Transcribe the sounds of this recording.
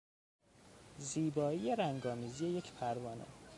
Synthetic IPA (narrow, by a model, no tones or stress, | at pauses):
ziːbɒːijeɾæŋɡɒːmiːzije̞jecʰpʰæɾvɒːnḛ